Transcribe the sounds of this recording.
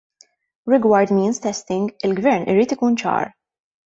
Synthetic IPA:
ɾɪɡwɐɾd̪miːnst̪ɛst̪ɪŋɡɪlɡvɛɾnʔɪ̰ɾiːt̪ɪkuːnt͡ʃɐ̰ːɾ

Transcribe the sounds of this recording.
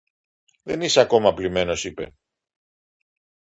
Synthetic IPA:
ðe̞niseɐko̞mɐplime̞no̞sipe̞̰

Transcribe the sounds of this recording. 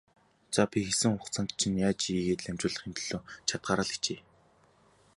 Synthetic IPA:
t͡sapʲixesɘ̆ŋʊχt͡sʰănt̪t͡ɕʰinjaːt͡ɕiiːɣeːt̪ɮæmt͡ɕʊːɮə̆χxemt̪ɵ̆ɮ̥oːt͡ɕʰat̪̚ɢaːɾaːɮ̥xt͡ɕeː

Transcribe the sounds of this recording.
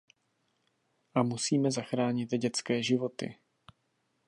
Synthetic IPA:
ʔamusiːmɛzaxɾaːɲɪt̪ɟɛt͡skɛːʒɪvo̞t̪ɪ̰

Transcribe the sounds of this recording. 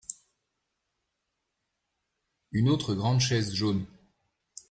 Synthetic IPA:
ynot̪χəɡʁɑ̃d̪ʃɛzʒon

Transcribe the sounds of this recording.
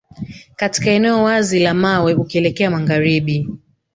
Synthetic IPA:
kati̥kaɛnɛɔwazilamawɛukiɛlɛkɛamaŋɡaɾiɓi

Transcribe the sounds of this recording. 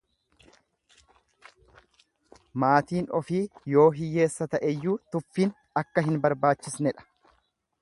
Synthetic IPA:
maːt̪iːnɔfiːjo̞ːɦɪjːe̞ːsːɐt̪ɐʔɛjːuːt̪ʊfːiːn | ɐkːɐɦɪnbɐɾbaːt͡ʃːɪsnɛᶑɐ̥

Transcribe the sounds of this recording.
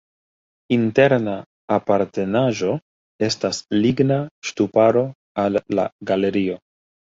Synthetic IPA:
inte̞ɾnaː | paɾte̞naʒo̞ | e̞stasliɡnaʃtupaɾo̞ | alːa̰ɡale̞ɾio̞

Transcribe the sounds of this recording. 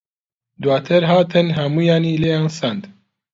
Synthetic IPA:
d̪wɑːt̪ʰɨɾɦɑːt̪ʰɨnɦɐmuːjaːniːleːãːnsand̪

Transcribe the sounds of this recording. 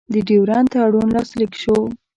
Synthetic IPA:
d̪əɖiwɾɑnt̪aɽunlɑslikʃo

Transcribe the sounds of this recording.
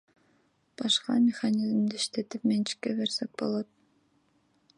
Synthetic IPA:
b̥ɑʃqɑmʲɪxanʲizmd̪iiʃt̪e̞t̪ipment͡ʃi̥kːebe̞ɾsek̚bo̞̰lˠot̪̚

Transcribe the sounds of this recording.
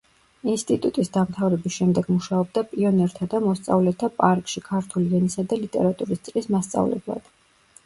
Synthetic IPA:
inst̪ʼit̪ʼut̪ʼisd̪amt̪ʰavɾɛbisʃɛmd̪ɛɡmuʃaɔb̚d̪apʼiɔnɛɾt̪ʰad̪amɔst̪sʼa̰vlɛt̪ʰapʼaɾkʼʃikʰaɾt̪ʰuliɛnisad̪alit̪ʼɛ̰ɾat̪ʼuɾist̪sʼlismast̪sʼa̰vlɛ̰blˠa̰d̪̥

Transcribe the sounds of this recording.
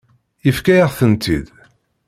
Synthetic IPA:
əfkæjəʁθənt̪ḭd̪

